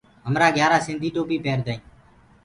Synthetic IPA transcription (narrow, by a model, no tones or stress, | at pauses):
ɦəmɾaːɡʱjaːɾaːsɪ̃nd̪ʱiːʈoːpiːpeːɾd̪əːĩː